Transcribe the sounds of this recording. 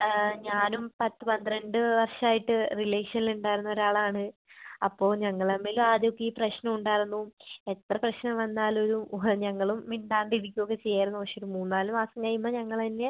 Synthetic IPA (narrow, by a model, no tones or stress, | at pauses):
ɲaːnumpɐt̪ːɨpɐnd̪ɨɾeɳɖɨʋɐrʂaːjiʈːɨrileːʂɐniluɳɖaːjiɾunːɐo̞ɾaːɭaːɳɨɐpːo̞ːɭɲɐŋːɐɭɐmːeːlumaːðjokːeiːprɐɕnɐmuɳɖaːjiɾunːue̞t̪rɐprɐɕnɐmʋɐnːaːlo̞ɾuɲɐŋːɐɭumːiɳɖaːɳɖiɾikʲːuokːet͡ɕe̞jːaːɾunːuʋɐrʂeoɾumuːnːnaːlumaːsɐmkɐjːumːɐːɲɐŋːɐɭinːe̞